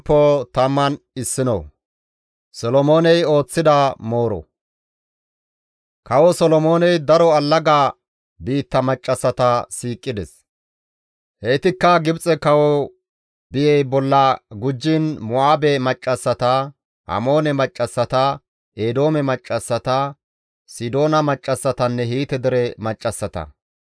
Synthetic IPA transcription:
pːɔt̪ɐmːɐn | ɪsːɪnɔ̰w | sɔlɔmo̞ːnɛjo̞ːt͡sːɪd̪ɐmo̞ːɾɔ̰ | kɐwɔsɔlɔmo̞ːnɛjd̪ɐɾɔɐlːɐɡaː | biːt̪ːɐmɐt͡ʃʼːɐsːɐt̪ɐsiːkʼːɪd̪ɛs | heːt̪ɪkːɐɡɪbt͡sʼɛkɐwɔ | bɪjɛjbɔlːɐɡʊd͡ʒːɪnmʊaːbɛmɐt͡ʃʼːɐsːɐt̪a | hɐ̰mo̞ːnɛmɐt͡ʃʼːɐsːɐt̪a | ʔeːd̪o̞ːmɛmɐt͡ʃʼːɐsːɐt̪ɐ | sɪd̪o̞ːnɐmɐt͡ʃʼːɐsːɐt̪ɐnːɛɦiːt̪ɛd̪ɛɾɛmɐt͡ʃʼːɐsːɐt̪ɐ̰

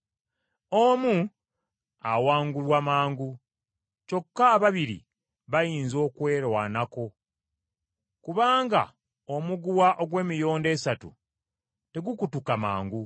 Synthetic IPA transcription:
omu | awaːŋɡulwamaːŋɡu | co̞kːaːβaβiɾḭ | βajiːnzo̞ːkwe̞ːɾwanako̞ | kuβaːŋɡa̰ | o̞muɡuwaʔo̞ɡwe̞ːmijo̞ːnde̞satṵ | te̞ɡukutukama̰ːŋɡu

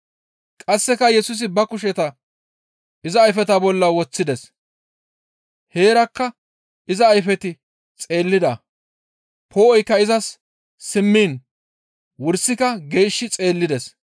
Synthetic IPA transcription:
kʼɐsːɛkɐjɛsʊs̬ɪbɐkʊʃɛt̪ɐ | ʔɪzɐːjfɛt̪ɐbɔlːɐwɔt͡sːɪd̪ɛs | he̞ːɾɐkːɐ | ɪzɐːjfɛt̪ɪ | t͡sʼe̞ːlːɪd̪ɐ | pʰoːʔɔjkːɐɪzɐsː | ɪmːiːn | wʊɾsːɪkɐɡe̞ːʃːɪt͡sʼe̞ːlːɪd̪ɛs

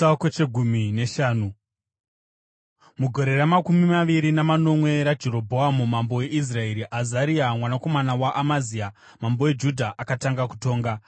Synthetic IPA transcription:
kwet͡ʃeɡʱumine̞ʃaːnu | muɡʱo̞ɾe̞ɾamakumimaʋiɾinamano̞mwe̞ɾad͡ʒeɾo̞bʱo̞amumambo̞e̞ʔis̬rae̞ɾiʔazaɾiamwanako̞manawaʔamazia | mambowe̞d͡ʒudʱaʔakataŋɡaku̥to̞ːŋɡa

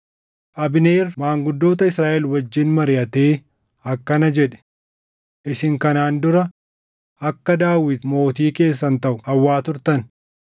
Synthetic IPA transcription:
ʔɐbɪne̞ːɾmaːŋɡʊd̪ːo̞ːt̪ɐɪsɾaːʔɛlwɐd͡ʒːɪnmɐɾɪʔɐt̪e̞ː | ɐkːɐnɐd͡ʒɛᶑɛ̥ | ʔɪsɪŋkɐnaːnd̪ʊɾɐ | ɐkːɐd̪aːwɪt̪mo̞ːt̪iːke̞ːs̬ːɐnt̪ɐʔʊɐwːaːt̪ʊɾt̪ɐn

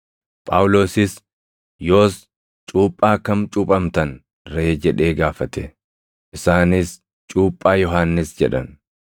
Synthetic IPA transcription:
pʼaːwʊlo̞ːsɪs | jo̞ːs | t͡ʃʼuːpʼːaːkɐmt͡ʃʼʊpʼɐmt̪ɐn | ɾeːd͡ʒɛᶑeːɡaːfɐt̪ɛ | ʔɪsaːnɪs | t͡ʃʼuːpʼːaːjɔɦaːnːɪsd͡ʒɛᶑɐn

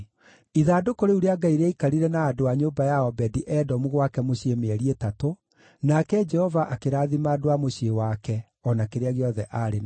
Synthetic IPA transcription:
iðaːdokoɾeuɾeaɡaiɾeaikaɾiɾɛnaːdoaɲoːbajaɔbɛdiʔɛdɔmuɣwakɛmoɕiemeɛɾietato | nakɛd͡ʒɛhɔvaʔakeɾaːðimaːdoamoɕiewakɛ | ɔnakeɾeaɣeɔðɛʔaɾen

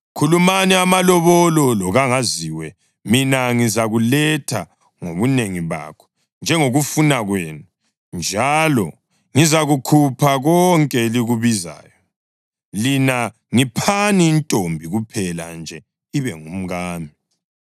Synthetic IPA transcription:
kʰulumaniamalɔβɔlɔlɔɣaŋaziwɛ | minaŋizaɣulɛtʰa | ŋoβuneŋiβa̰kʰɔ̥ | nd͡ʒʱɛŋoɣufunaɣweːnu | nd͡ʒʱalɔ | ŋizaɣukʰupʰaɣɔŋkʼɛliɣuβiza̰ːjɔ | lina | ŋipʰaniːntʼombʱiɣupʰɛla̰nd͡ʒʱɛ | iβɛŋum̩ɣaːmi

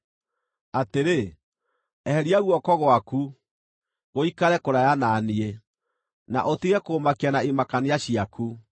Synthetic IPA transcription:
ateɾe | ɛhɛɾiaɣwɔkɔɣwaku | ɣoikaɾɛkoɾajananie | na̰ʔotiɣɛkoːmakianaemakaneaɕiaku

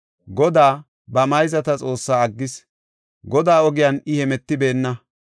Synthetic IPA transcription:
ɡɔd̪aː | bɐmɐjzɐt̪ɐt͡sʼo̞ːsːaːɐɡːɪs | ɡɔd̪aːɔɡɪjɐnɪhɛmɛt̪ːɪbe̞ːnːɐ

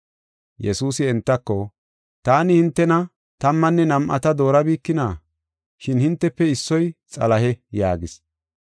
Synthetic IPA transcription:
jɛsuːsɪɛnt̪ːɐkːɔ | t̪aːnɪhɪnt̪ːɛnɐ | t̪ɐmːɐnːɛnɐmʔɐ̰t̪ɐd̪o̞ːɾɐbiːkːɪnaː | ʃɪnhɪnt̪ːɛpːɛɪsːɔjt͡sʼɐlɐɦɛjaːɡɪs

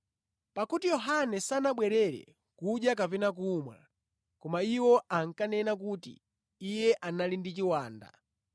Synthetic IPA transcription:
pakutijɔɦanɛsanaɓwɛɾɛɾɛ̰ | kuɗjak̬apɛnak̬umwa̰ | kɔmaiwɔʔaŋ̩kanɛnak̬utḭː | jɛʔanalindit͡ʃiwaːnda̰

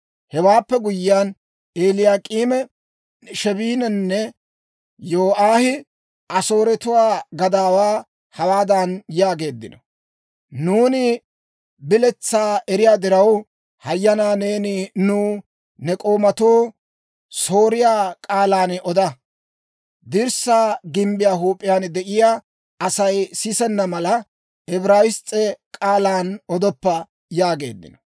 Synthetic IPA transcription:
hɛwaːpːɛɡʊjːɪaːn | eːlɪjaːkʼiːmɛ | ʃɛbiːnɛnːɛ | joːʔaːhɪ | ʔɐso̞ːɾɛt̪ʊwaːɡɐd̪aːwaː | hɐwaːd̪anjaːɡe̞ːd̪ːɪnɔ̥ | nuːnɪ | bɪlɛt͡sːaːɛɾɪjaːd̪ɪɾɐw | hɐjːɐnaːne̞ːnɪnʊ | nɛkʼo̞ːmɐt̪oː | so̞ːɾɪjaːkʼaːlaːnɔd̪ɐ | d̪iɾsaːɡɪmbɪjaːɦuːpʼːɪjaːnd̪ɛʔɪjaː | ɐsɐjsɪsɛnːɐmɐlɐ | ɛbɾaːwɪst͡sʼːɛkʼaːlaːnɔd̪ɔpːɐ | jaːɡe̞̰ːd̪ːɪ̰nɔ̥

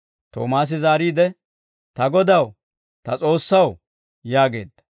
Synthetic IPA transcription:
t̪o̰ːmaːs̬ɪzaːɾiːd̪ɛ | t̪ɐɡɔd̪ɐw | t̪ɐt͡sʼo̞ːsːɐw | jaːɡe̞̰ːd̪ːɐ̥

